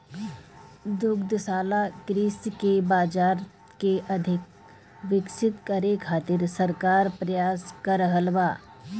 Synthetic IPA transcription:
d̪ʊɡd̪saːlakɾɪːskebaːd͡ʒaːɾ | keʔɐd̪ʱɪk̚ | ʋɪksɪt̪kɐɾekʰaːt̪ɪɾsɐɾkaːɾpɾɐjaːskaɾəɦəlʋaː

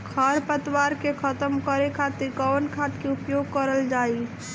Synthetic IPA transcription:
kʰəɾpət̪waɾkekʰət̪əmkəɾekʰat̪iɾkəwənkʰat̪keupjoɡ̚kəɾəld͡ʒai

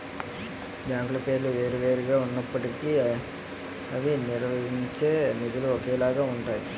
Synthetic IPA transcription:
d͡ʒaːŋɡlɐpe̞ːɾluʋe̞ːɾuʋe̞ːɾɛɡaːunːɐpːɐʈiki | ɐʋiniɾʋɐɦiɲt͡ʃe̞ːnid̪uluokeːlaːɡaːuɳʈaːji

